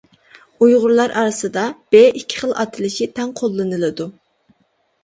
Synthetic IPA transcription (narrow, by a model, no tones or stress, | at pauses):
ujʁʊɾlˠɑɾʔɑ̰ɾɨsɨd̪ɑb̥eʔikʲʰːɪ̥χəlˠɑ̰t̪ʰɨlˠɪʃit̪ʰɛŋqʰolˠːɨnɨlˠɨd̪u